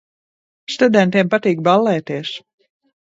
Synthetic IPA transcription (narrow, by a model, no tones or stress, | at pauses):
st̪ud̪ɛnt̪iɛmpat̪iːk̚balːɛːt̪iɛs